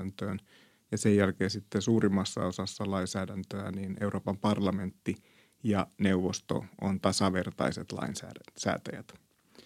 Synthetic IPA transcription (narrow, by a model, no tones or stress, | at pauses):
nt̪øːn | jɑsejjælkeːnsit̪ːesuːrimːɑsːɑ̰o̞sɑsːɑlɑinsæːdænt̪øæniːneuroːpɑmpɑrlɑme̞nt̪ːi | jɑneuʋːost̪o̰ʔo̰nt̪ɑsɑʋe̞rt̪ɑ̰iset̪lɑ̰insæ̰ːsæ̰ːt̪æjæ̰t̪